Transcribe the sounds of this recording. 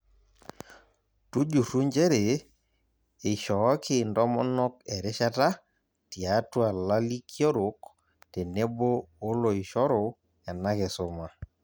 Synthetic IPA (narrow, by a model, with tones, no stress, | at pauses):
tu˦d͡ʒu˨ɾu˦ɲd͡ʒe˦ɾe˨ | ɪ˨ʃɔ˨˦kɪ˦ndɔ˦mɔ˦nɔ˦kɛ˨ɾɪ˦ʃa˦ta˦ | ti˨a˨˦twa˨la˦li˦kjɔ˦ɾo˨k | te˨ne˦boː˦lo˨ɪ˨ʃɔ˦ɾo˨ | ja˨na˦kɛ˨so˨ma˨